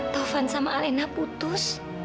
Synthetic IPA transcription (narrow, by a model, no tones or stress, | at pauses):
t̪ɔfansamalenaput̪ʊs